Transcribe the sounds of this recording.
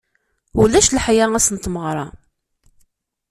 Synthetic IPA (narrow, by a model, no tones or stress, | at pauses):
ulæʃlħjææsənt̪məʁɾˤɑ̰